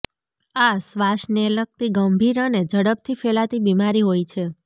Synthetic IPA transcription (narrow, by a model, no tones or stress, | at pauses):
asʋaʃnelək̚t̪iɡəmbʱiɾəned͡ʒəɽəb̚t̪ʰifelat̪ibimaɾiɦojt͡ʃʰe